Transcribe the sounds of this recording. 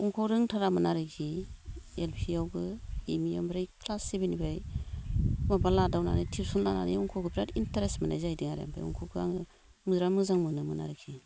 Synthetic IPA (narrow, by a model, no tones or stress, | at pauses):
uŋkʰɔɾɯŋtʰaɾamɯnaɾɯkʰi | elpʰiawɡɯimijambɾajkʰlasːebenibaj | mabaladawna̰nitʰipsɔnlana̰niuŋkʰɔɡɯpʰɾatintaɾesmana̰jzajdiŋaɾja̰mpʰa̰jṵŋkʰɔkʰɯa̰ŋɯ | mɯzɾamɯzaŋmɯnɯmɯna̰ɾɯkʰi